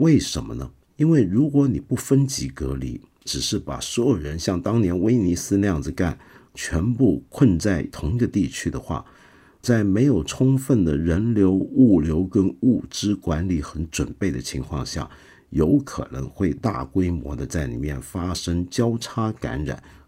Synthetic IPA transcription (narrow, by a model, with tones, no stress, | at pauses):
we˥˩ɪʂə˧˥mə̰˧nə˨ | i˥nwe˥˩ɪɻu˧˥kwɔ˧˥ni˨˩pu˥˩fə˥nt͡ɕi˧˥kɤ̰˧˥lḭ˨˩˦ | ʈ͡ʂɻ̩˨˩ʂɻ̩˥˩pa̰˨˩swɔ˧˥jo˨˩ʊɻə˧˥nɕjɑ˥˩ŋt̪ɑ˥ŋnjɛ˧˥nwe˥ɪni˧˥sɹ̩˥ljɑ˥˩ŋd͡zɹ̩˩ka̰˥˩nt͡ɕʰɥɛ˧˥npu˥˧kʰwə˥˧nt͡sa˥˩ɪt̪ʰʊ˧˥ŋɡə˧t̪i˥˩t͡ɕʰy˥d̪ə˨xwa̰˥˩ | t͡sa˥˩ɪme˧˥ɪjo˨˩ʊʈ͡ʂʰʊ˥ŋfə˥˩nd̪ə˩ɻə˧˥nljo˧˥ʊu˥˩ljo˧˥ʊkə˥nu˥˩ʈ͡ʂɻ̩˥kwa˧˥nli˧˥xə˧˥nʈ͡ʂwə˨˩npe˥˩ɪd̪ə˩t͡ɕʰi˧˥ŋkʰwɑ̰˥˧ŋɕja̰˥˩ | jo˧˥ʊkʰɤ̰˨˩nɤ̰˧˥ŋxwe˥˧ɪt̪a̰˥˩kwe˥ɪmwɔ̰˧˥d̪ə˧t͡sa˥˩ɪnḭ˨˩mjɛ̰˥˩nfa˥ʂə˥ŋt͡ɕjɑ˥ʊʈ͡ʂʰa˥ka̰˧˥nɻa̰˨˩˦n